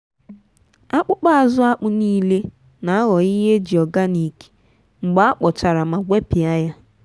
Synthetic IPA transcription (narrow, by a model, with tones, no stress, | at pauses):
a˦k͡pʊ˦k͡pa˦a˨zʊ˦a˦k͡pʊ˦niː˦le˦ | na˨˦ɣɔ˨i˦ɦe˦d͡ʒi˨ɔ˨ɡa˦ni˨ke̥˨ | ŋ͡m̩˨ɡ͡ba˦a˦k͡pɔ˨t͡ʃa˨ɾa˨ma˨ɡʷe˦pi˨a˦ja˦